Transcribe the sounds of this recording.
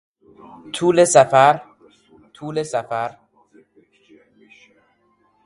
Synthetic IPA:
t̪ʰuːlesæfæɾ | t̪ʰuːlesæfæɾ

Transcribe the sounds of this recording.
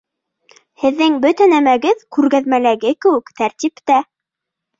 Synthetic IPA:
hɘ̆ðːɘŋbɵt̪ænæmæɡɘðkʉɾɣæðmælæɡɘkɘ̆wɘkt̪æɾt̪ʲipt̪æ

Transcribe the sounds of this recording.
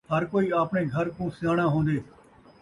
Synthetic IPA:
ɦəɾkoːiːaːpɳeːɡʱəɾkũːsɪjaːɽ̃ãːɦõːnd̪eː

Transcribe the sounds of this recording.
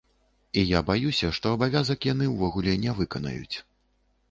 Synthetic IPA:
ijabajusʲɐʂt̪ɔɐbavʲazɐkjanɨwvɔɣulʲɛnʲɛvɨkɐnɐ̰jṵt͡sʲ

